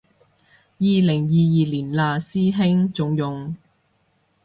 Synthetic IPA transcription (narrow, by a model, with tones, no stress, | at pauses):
jiː˨lɪ˨˩ŋjiː˨˧jiː˨liː˨˩nlaː˨˧siː˥ɦɪ˥ŋt͡sʊ˨˥ŋjʊ˨ŋ